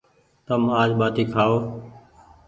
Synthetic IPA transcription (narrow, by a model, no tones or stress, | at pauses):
t̪əmaːd͡ʒɓaːt̪iːkʰaːoː